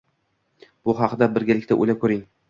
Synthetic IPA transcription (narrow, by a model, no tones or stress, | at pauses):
b̥ʊɦɑqd̪abɪɾɡʲalɪkʲt̪aʔo̰jlakʰɵɾɪŋ